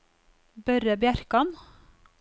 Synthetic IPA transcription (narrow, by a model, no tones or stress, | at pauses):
bœɾəbjæɾkɑn